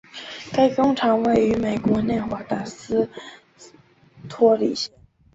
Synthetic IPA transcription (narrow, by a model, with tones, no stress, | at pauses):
ka˥˩ɪkʊ˥ŋʈ͡ʂʰɑ˧˥ŋwe˥˩ɪy˧˥me˨˩ɪkwɔ˧˥njɛ˥˩nxwa˧˥t̪a˥˩sɹ̩˥ | t̪ʰwɔ˥lḭ˨˩ɕjɛ˥˦